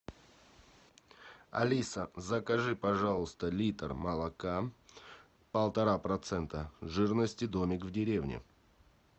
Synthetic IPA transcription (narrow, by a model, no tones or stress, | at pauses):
ɐ̰lʲisəzəkɐʐɨpɐʐalˠəst̪əlʲit̪rmɐlˠɐka | pəlˠt̪ɐɾapɾɐt̪sɛnt̪əʐɨrnəsʲtʲɪd̪omʲɪkvdʲɪɾʲevnʲɪ̰